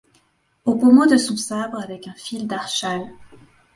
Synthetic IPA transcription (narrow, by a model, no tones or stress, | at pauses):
obomod̪əsɔ̃sabʁavɛkɛ̃fild̪aʁʃal